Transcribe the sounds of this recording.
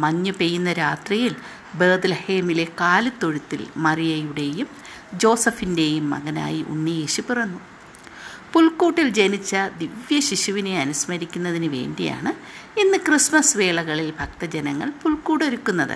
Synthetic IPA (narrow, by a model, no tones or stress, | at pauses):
mɐɲːupejːunːɐɾaːt̪rijil | beːd̪lɐhe̞ːmile̞kaːlut̪ːo̞ɻut̪ːilmɐrijɐjuɽe̞jum | d͡ʑo̞ːsɐfinde̞jumːɐ̰ɣɐna̰ːjiʔṵnːijeːɕipirɐnːu | puɭkuːʈːild͡ʑe̞nit͡ɕːɐd̪iʋjɐɕiɕuʋineɐnusmɐɾikʲːunːɐðinɨʋe̞̰ːɳɖija̰ːɳɨ | inːɨkrismɐsʋe̞ːɭɐɣɐɭilbʱɐkt̪ɐd͡ʑenɐŋːɐ̰ɭpuɭkuːʈo̞ɾukːunːɐðɨ̰